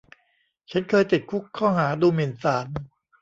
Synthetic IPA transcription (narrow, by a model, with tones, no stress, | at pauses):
t͡ɕʰa˦˥nkʰɤː˧jt̪i˨˩t̪̚kʰu˦˥kʰːɔː˥˩ɦaː˩˦duː˧mi˨˩nsaː˩˦n